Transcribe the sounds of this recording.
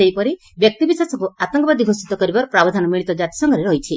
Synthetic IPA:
ejpɔɾi | bjɔk̚t̪ibisasɔŋkuat̪ɔŋkɔbad̪iɡʱost̪it̪ɔkɔɾibaɾɔpɾabɔd̪ʱanɔmiɭ̃it̪ɔd͡ʒat̪i̥sɔŋɡʱɔɾeɾɔjt͡ʃʰi

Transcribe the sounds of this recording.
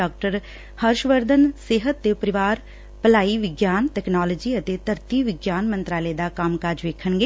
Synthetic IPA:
aːk̚ʈəɾ | həɾʃʋəɾd̪ʱənseːɦət̪ːeːpəɾɪʋaːɾ | pəlaːiːʋɪɡjaːnʈɛːknaːləd͡ʒiːət̪eːt̪əɾt̪iːʋɪɡjaːnmənt̪ɾaːleːd̪aːkəmkaːɾd͡ʒʋeːkʰəɳɡeː

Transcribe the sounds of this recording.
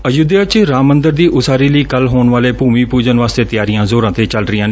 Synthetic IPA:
əjʊd̪jaːt͡ʃɾaːmənd̪əɾd̪iːʔʊsaːɾiːləiːkəlɦoːɳʋaːleːpuːmiːpuːd͡ʒənʋaːst̪eːt̪ɪjaːɾɪjãːzoːɾãːt̪eːt͡ʃəlɾɪjãːn

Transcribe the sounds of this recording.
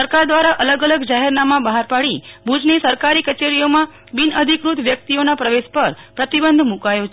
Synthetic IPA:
səɾkaɾd̪ʋaɾaʔələɡələɡd͡ʒaɦɛɾnamãbaɦaɾpaɽibʱud͡ʒnesəɾkaɾikət͡ʃeɾijomã | binəd̪ʱikɾut̪ʋjək̚t̪ionapɾəʋeʃpəɾpɾət̪ibənd̪ʱmũkajot͡ʃʰ

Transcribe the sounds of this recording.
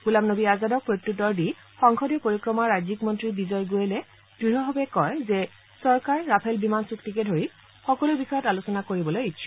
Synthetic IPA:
ɡulamnobiazadɔk̚pɹotːutːɔɹdi | xɔŋxɔdɛpoɹikɹɔmaɹajzikmɔntɹibizɔjɡojɛlɛ | d̥ɹiɦɔɦɔbɛkɔjzɛ | sɔɹkaɹːapʰɛlbimansuktikɛdʱoɹi | xɔkɔlubixɔjɔtalusɔnakoɹibɔlojitʃʰɔ̥

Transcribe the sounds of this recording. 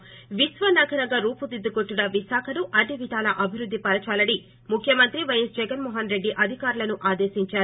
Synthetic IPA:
ʋisʋɐnɐɡɐɾɐɡɐɾuːpud̪id̪ːukoʈːunɐʋiʃaːkʰɐnuʔɐd̪ʱiʋid̪ʱaːlɐʔɐbʱiɾud̪ʱːipɐɾɐt͡ʃaːlɐɽi | mukʰjɐmɐnt̪ɾiʋɐjɐsd͡ʒɛɡɐnmɔːɦɐnɾe̞ɖːiʔɐd̪ʱikaːɾulɐnuʔaːd̪e̞ːʃiɲt͡ʃaːɾu

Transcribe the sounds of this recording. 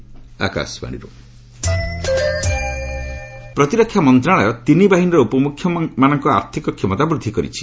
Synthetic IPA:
a̰ka̰sba̰ɽ̃ḭɾu | pɾɔt̪iɾɔkʰjamɔnt̪ɾaɭɔjɔt̪inibaɦinɔɾɔupɔmukʰːjɔmanɔŋkɔa̰ɾt̪ʰikɔkʰimɔt̪abɾud̪ʱːikɔɾḭt͡ʃʰi̥

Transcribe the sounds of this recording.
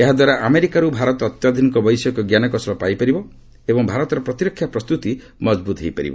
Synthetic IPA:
eɦad̪waɾaʔameɾikaɾubʱaɾɔt̪ɔːt̪jad̪ʱinikɔbɔjsɔkɔɡjanɔkɔsɔlɔpajpaɾibɔ | ebɔŋbʱaɾɔt̪ɔɾɔpɾɔt̪iɾɔkʰːjapɾɔst̪ut̪i | mɔd͡ʒbut̪ɦejpaɾḭbɔ̰

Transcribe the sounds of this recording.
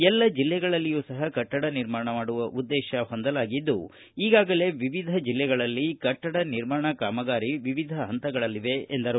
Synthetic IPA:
ɛlːɐd͡ʒilːɛɡɐɭɐlːijuːsɐɦɐkɐʈːɐɽɐniɾmaːɳɐmaːɽuʋɐʔud̪ːɛːʃɐɦo̞nd̪ɐlaːɡid̪ːu | iːɡaːɡɐle̞ːʋiʋid̪ʱɐd͡ʒilːɛɡɐɭɐlːikɐʈːɐɽɐniɾmaːɳɐkaːmɐɡaːɾiʋiʋid̪ʱɐɦɐnt̪ɐɡɐɭɐlːiʋeend̪ɐɾu

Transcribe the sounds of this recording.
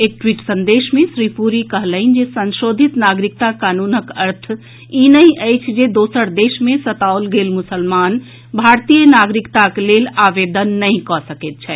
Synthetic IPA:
ek̚ʈwiʈsənd̪eʃmẽsɾipuɾikəɦləɪnd͡ʒesənʃod̪ʱit̪naɡɾik̚t̪akanunəkəɾt̪ʰ | inəĩʔəjt͡ʃʰd͡ʒed̪osəɾd̪esmẽsət̪aolɡelmʊsəlman | bʱaɾt̪ijənaɡɾikt̪aklelaʋed̪ənːəĩkɔsəket̪̚t͡ʃʰɛ

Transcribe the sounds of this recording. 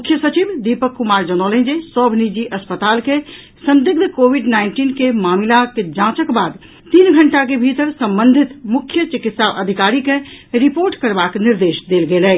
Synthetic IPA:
mʊkʰjəsət͡ʃibd̪ipəkːumaːɾd͡ʒənɔlẽd͡ʒesɔːbʱnid͡ʒiʔɐspət̪aːlke | sə̃nd̪ɪɡ̚d̪ʱkoːbiɖnaːɪnʈiːnkemaːmilaked͡ʒãːt͡ʃəkbaːd̪ | t̪iːnɡʱəɳʈak̬ebʱit̪əɾsə̃mbə̃nd̪ʱɪt̪mʊkʰjət͡ʃɪkɪt̪saʔəd̪ʱikaːɾikẽɾipoːɾʈkəɾbaːknɪɾd̪eːʃd̪eːlɡelɛː

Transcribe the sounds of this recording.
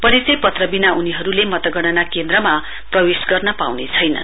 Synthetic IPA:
pʌɾisʌjpʌt̪rʌbinaʔuniɦʌɾulemʌt̪ʌɡʌɽ̃ʌnakend̪rʌma | prʌwesɡʌrnʌpa̰wnet͡sʰʌjnʌ̰n

